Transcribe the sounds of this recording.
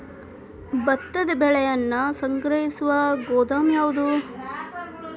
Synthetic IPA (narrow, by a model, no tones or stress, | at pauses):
bɐt̪ːɐd̪ɐbɛɭɛjɐnːusɐŋkɾɐɦisuʋɐɡɔːd̪aːmjaːʋud̪u